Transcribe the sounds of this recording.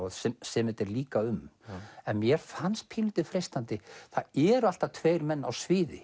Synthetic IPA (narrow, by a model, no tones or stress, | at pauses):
ðsɛsɛmɛt̪ɛɾliːkaʏmɛnmjɛɾ̥fanst̪̚pʰiːlʏt̪ɪðfɾejst̪ant̪ɪθaðɛɾʏal̥t̪at̪ʰveːjɾmɛnːa̰wsvɪːðɪ̰